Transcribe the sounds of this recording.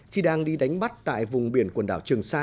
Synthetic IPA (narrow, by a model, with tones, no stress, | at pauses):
xi˧ɗaː˧ŋɗi˧ɗa˨˦jŋ̟ɓa˦˥t̚t̪a̰ː˧˨jvʊ˨˩ŋ͡mɓi˨˧˩ənkwə˨˩nɗa̰ː˧˩wt͡ɕɨ˨˩əŋsaː˧